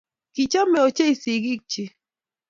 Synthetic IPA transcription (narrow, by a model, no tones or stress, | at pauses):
kɪt͡ʃamɪot͡ʃajsɪɡɪk̚t͡ʃɪ